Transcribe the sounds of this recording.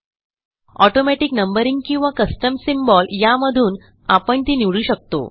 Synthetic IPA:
ɔʈomɛʈiknəmbəɾiŋɡkĩw̃ʋakəsʈəmsimbɔljaməd̪ʱuːn | apəɳt̪iniʋɭuːɕək̚t̪o̰

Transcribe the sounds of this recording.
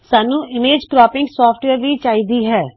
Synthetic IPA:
saːnũːɪmeːd͡ʒkɾɔːpɪ̃ŋɡsɔːpʰʈʋeːɾʋiːt͡ʃaːiːd̪iːɦɛː

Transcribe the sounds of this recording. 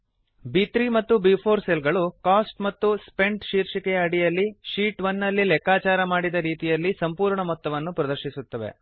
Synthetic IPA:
biːt̪ɾimɐt̪ːubiːpʰoːɾselɡɐɭukaːsʈmɐt̪ːuspe̞ɳɖʃiːɾʃikɛjɐːɽijɐlːiʃiːʈʋɐnːɐlːilɛkaːt͡ʃaːɾɐmaːɽid̪ɐɾiːt̪ijɐlːisɐmpuːɾɳɐmɔt̪ːɐʋɐnːupɾɐd̪ɐɾʃisut̪ːɐʋe̞̰

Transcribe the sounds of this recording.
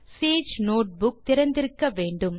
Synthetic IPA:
seːd͡ʒnoːʈ̚bʊk̚t̪ɪɾɐnd̪ɪɾɯkːɐʋeːɳɖɯm

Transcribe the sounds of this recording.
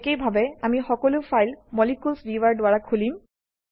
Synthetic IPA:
kejbʱabɛamixɔkɔlʊfʰajlmɔlikulsɹiʋaɹdʊaɹakʰulim

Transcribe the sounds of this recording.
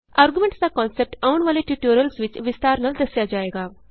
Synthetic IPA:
aɾɡjumẽɳʈt͡sakɔnsep̚ʈəʋɳʋaleʈiʈuɾijəlsʋit͡ɕʋist̪aɾnəld̪əsjad͡ʑaeɡaʋ

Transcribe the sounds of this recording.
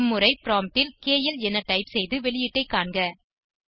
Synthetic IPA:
mːɯɾɐɪpɾaːmʈɪlkeːjɪlɛnːɐʈɐɪpsɛjðɯʋɛɭɪjɪʈːɐɪkːaːɳɡɐ

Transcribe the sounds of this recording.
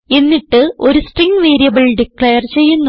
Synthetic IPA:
e̞nːiʈːɨo̞ɾusʈriŋɡʋeːɾijɐbɐɭɖikɭejɐrt͡ɕe̞jːunːɐ

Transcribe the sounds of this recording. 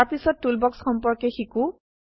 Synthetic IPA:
aɹpisɔtːulbɔksxɔmpɔɹkɛxiku

